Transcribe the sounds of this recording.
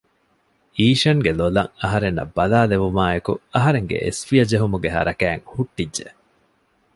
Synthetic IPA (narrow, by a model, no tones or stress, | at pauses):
iːʃɐŋɡelolɐ̰ŋɐɦɐɾenːɐ̰bːɐlaːleʋumaːekṵɐɦɐɾeŋɡḛʔḛsfiɐd͡ʒeɦumuɡeɦɐ̰ɾɐkæːŋhuʈːidʒe